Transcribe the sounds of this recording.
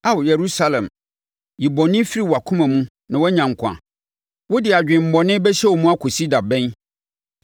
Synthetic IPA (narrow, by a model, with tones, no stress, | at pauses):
a˦wjɛ˨ɾu˦sa˦lɛ̃˨m | ji˨bɔ˨nɪ̃˦fi˦ɾi˨wa˨kʰũ˦mã˨mũ˦ | nã˨wɔ˦ɲã˨ŋ̩˨kʷʰã̰˨ | wʊ˦dɪ˨a˨d͡ʑᶣɪ̃˨m̩˨bɔ˨nɪ̃˦bɛ˦ɕɛ˦wɔ˨mũ˦a˦kʰʊ˨si˦da˨bɛ̃˦n